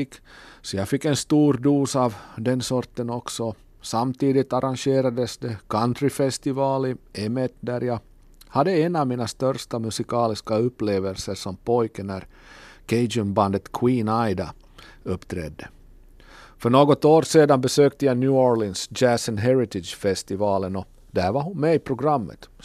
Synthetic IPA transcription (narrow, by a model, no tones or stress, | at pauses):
kːsɔjɑːɡfɪkːɛnst̪uːɾd̪uːsɑvd̪ɛnsɔɾt̪ənɔksɔ | samt̪iːd̪ɪt̪aɾʔanɕeːɾad̪əsd̪ɛkʰant̪ɾɪfɛst̪ɪvɑːlɪɛmɛt̪d̪æɾjɑː | had̪ːəɛnavmiːnast̪œɾʂʈamɵsɪkʰɑːlɪskaɵpːleːvəlsəʂɔmpʰɔjkənæɾ | kʰɛɪd͡ʒɵmband̪ət̪kʰwiːnajd̪a | ɵpːt̪ʰɾɛ̰d̪ːə | fœɳoːɡɔt̪oːɾseːd̪anbɛsøːk̚t̪əjanjʉːɔɾlɪnsd͡ʒæsɔnɦɛɾɪt̪ɪdʃfɛst̪ɪvɑːlənɔ | d̪hæɾvaɾɦʊnmɛɪpʰɾʊɡɾamːə̰t̪